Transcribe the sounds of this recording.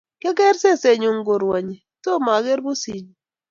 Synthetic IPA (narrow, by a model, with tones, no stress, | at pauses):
ke˦kɛ˦ɾse˦˨se˨ɲu˨ŋɡo˨ɾwɔ˨ɲi˨ | so˦˨ma˨ɡe˦ɾbu˦si˨ɲ˨